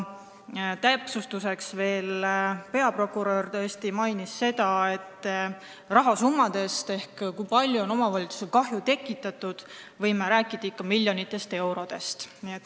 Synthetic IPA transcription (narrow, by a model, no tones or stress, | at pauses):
t̪æpsust̪use̞ksve̞ːlpe̞ɑpro̞kːˑuɾørt̪øːsʲt̪imɑjnisːe̞d̪ɑe̞t̪ː | rɑɦɑsumːɑd̪̥e̞st̪e̞hkkujpɑlʲjuo̞no̞mɑvɑlʲit̪su̥selkɑɦjut̪e̞kːˑit̪ːˑɑt̪ːud̪̥ | vɤjmeɾæːkːˑid̪̥ɑikːɑmilʲjo̞nit̪ːˑe̞st̪e̞wɾo̞d̪̥e̞st̪niet̪ː